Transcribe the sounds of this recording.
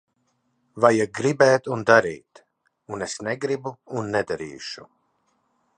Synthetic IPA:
vajaɡɾibɛːt̪und̪aɾḭːt̪ | unesnɛɡɾibuunːɛd̪aɾḭːʃu

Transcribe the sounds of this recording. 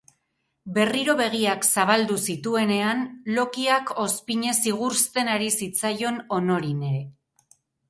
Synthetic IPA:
be̞riɾo̞βe̞ɣ̞iaksaβald̪usit̪ue̞ne̞anlo̞kiako̞spiɲe̞siɣ̞uɾst̪e̞naɾisit͡sajo̞no̞no̞ɾine̞ɾe̞

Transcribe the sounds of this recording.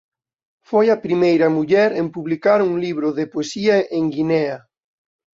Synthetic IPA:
fojɐpɾimejɾɐmuʎɛɾempuβlikaɾuŋliβ̞ɾʊðepoesiɐʔeŋɡinɛɐ

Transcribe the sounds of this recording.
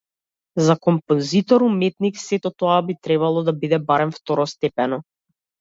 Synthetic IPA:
zakɔmpɔnzit̪ɔɾumɛt̪niksɛt̪ɔt̪ɔabit̪ɾɛβalˠɔd̪abid̪ɛbaɾɛmft̪ɔɾɔst̪ɛpɛnɔ

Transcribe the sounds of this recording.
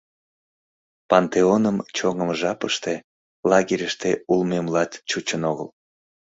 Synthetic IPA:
pɑnt̪eonəmt͡ɕoŋəmʒɑpəʃt̪e | lɑɣiɾʲəʃt̪eulmemlɑt̪t͡ɕut͡ɕənoɣə̰l

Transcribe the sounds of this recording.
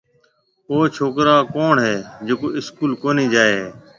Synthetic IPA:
oːt͡ʃʰoːkɾaːkoːɳɦeːd͡ʒoːkoːɪskuːlkoːniːd͡ʒaːeeː

